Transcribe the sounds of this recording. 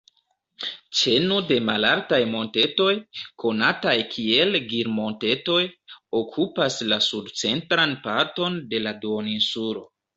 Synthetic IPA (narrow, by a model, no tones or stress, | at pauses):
t͡ʃe̞nude̞malaltajmo̞nte̞to̞jkʰo̞natajkʰie̞lɡiɾmo̞nte̞to̞jo̞kʰupaslasudt͡se̞ntɾanpaɾto̞nde̞laduoninsuɾo̞̰